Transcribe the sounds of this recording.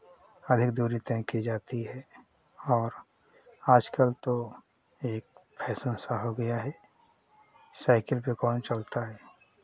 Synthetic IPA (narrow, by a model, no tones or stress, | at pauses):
ɐd̪ʱɪkd̪uːɾit̪ɛ̃ːkːid͡ʒaːt̪iɦɛ | ɔːɾ | aːd͡ʒkəlt̪o | eːk̚pʰɛːsə̃nsaɦoɡɐjaɦɛː | saːɪkəlpekɔːnt͡ʃɐlt̪aɦɛː